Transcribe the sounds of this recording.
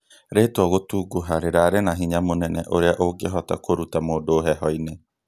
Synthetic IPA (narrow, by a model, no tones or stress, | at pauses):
ɾetwɔɣotuɡuɦaɾeɾaɾenaɦiɲamonɛnɛ̰ʔoɾeaʔoɡeɦɔta̰koɾutamoːdoːɦɛɦɔine